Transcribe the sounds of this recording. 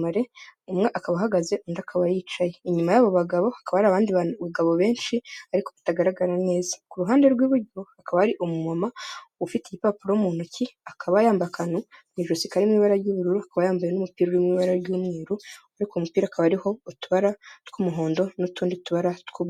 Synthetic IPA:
maɾe̞umŋe̞ʔakaβaɦaɡaze̞ʔundakʰaβajiːt͡ʃaje̞iɲumajaβo̞βaɡaβo̞akaβaɾaβaːndiβuɡaβo̞βe̞ːnʃiaɾiko̞βi̥taɡaɾaɡaɾane̞ːzḁkuɾuɦaːnde̞ɾɡwiːβuɾɟoakaβahaɾiʔomumamaufitejipapuɾoumuːn̥huciakʰaβajaːmbakanoniʒosikaɾimŋiːβaɾaɾɟuːβuɾuɾuakaβajaːmbajenumupiːɾowimŋiβaɾaɾɟuːmŋiːɾuaɾikomupiːɾakaβaɾiho̞utuβaɾatkumuɦo̞ːndo̞nutuːndituβaɾatkuβ

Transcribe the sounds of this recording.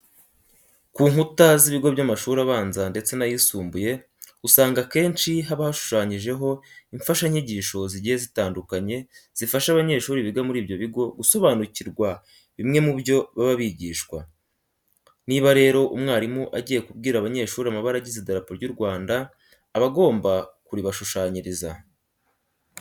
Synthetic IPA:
kuːŋhutaziβiɡo̞bɟamaʃuːɾaβaːnzande̞t͡se̞najisuːmbuje̞ | usaːŋɡake̞ːnʃiɦaβahaʃu̥ʃaːɲiʒe̞ɦo̞iɱfaʃaiɲiɟiːʃo̞ziɟiːjezitaːndukaɲe̞z̥ifaʃaβaɲe̞ːʃuːɾiβiɡamuɾiːbjo̞βiɡo̞ɡuso̞βaːnuciɾɡwa | βimŋe̞muβjo̞βaβaβiɟiːʃkwa | niːβaɾe̞ːɾo̞ʔumŋaːɾimuʔaɟiːje̞kub̚ɡiːɾaβaɲe̞ːʃuːɾiamaβaɾaɟizidaɾapoɾjuɾɡwaːndaː | βaɡo̞ːmbakuɾiβaʃuʃaːɲiɾiza

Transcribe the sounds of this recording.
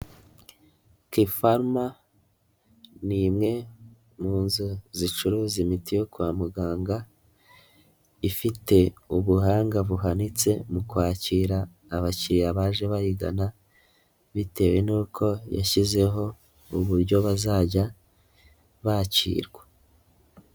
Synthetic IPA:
kifaɾma | nimŋe̞ | muːnzuzit͡ʃuɾuːzimitijo̞kuwaːmuɡaːŋɡa | ifite̞uβuɦaːŋɡaβuɦanit͡se̞mukwaːciːɾaː | βaciːɾaβaːʒe̞βajiɡa̰na | βite̞we̞nuːkʰo̞ja̰çize̞ɦo̞ | uβuɾɟo̞βazaːɟa | βacḭːɾɡwḁ

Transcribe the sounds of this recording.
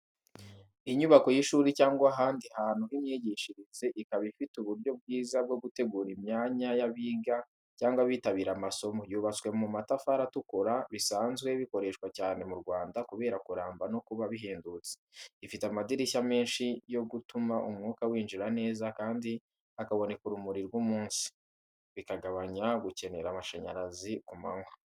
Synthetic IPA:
iɲuβako̞jiʃuːɾicaːŋɡwaːɦaːndihaːn̥huimɲeɟiːʃiɾizeʔikaβifituβuɾɟo̞b̚ɡiːzab̚ɡo̞ɡute̞ɡuːɾimɲaːɲajaβiːɡa | caːŋɡwaβiːtaβiːɾamaso̞mojuːβat͡swe̞mumatafaɾatukuɾaβisaːnzɡwe̞βiko̞ɾe̞ʃkwacaːne̞muɾɡwaːndakuβe̞ːɾakuɾaːmbano̞kuβaβiɦeːndut͡se̥ifitamadiɾisame̞ːnʃijo̞ɡutumaʔumŋuːkawiːnd͡ʒiɾane̞ːzakaːndi | akaβo̞ne̞kuɾumuɾiɾɡwumuːnsi̥ | βikaɡaβaɲaɡuce̞ne̞ɾamaʃaɲa̰ɾazikumaŋwa

